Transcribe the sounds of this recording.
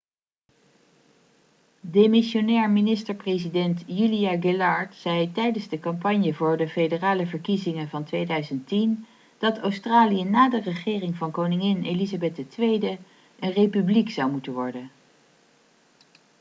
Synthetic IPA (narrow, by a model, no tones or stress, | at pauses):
demɪʃonɛːɹminɪstəɹprezidɛntjylijaɡɪlɑɹtsɛjtɛjdənzdəkɑmpɑɲjəvʊːɹdəfejdəraːləvəɹkizɪŋənvɑntʋejdœɥzəntin | d̥ɑtowstraːlijənaːdərəχɪːrɪŋvɑnkownɪŋɪnelizabɛt̚dətʋejdə | ʔənrejpybliksɑwmutənʋɔɹdən